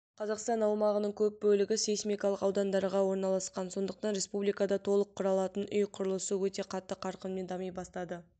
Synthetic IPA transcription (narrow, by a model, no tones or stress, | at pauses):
qʰɑzɑqst̪ɑnɑwmɑʁənəɴkʲʰɵp̚bɵlɪɡʲɪsesmʲijkɑlˠəqɑwd̪ɑnd̪ɑɾʁɑwo̞ɾnɑlˠɑsqɑnso̞nd̪əq̚t̪ɑnɾʲe̞spublijkɑd̪ɑt̪ʰo̞lˠəqʰːʊɾɑlˠɑt̪ənʔʏjqʰʊɾəlˠəsəwɵt̪e̞qʰɑt̪ːəqʰɑɾqənme̞nd̪ɑmijbɑst̪ɑd̪ə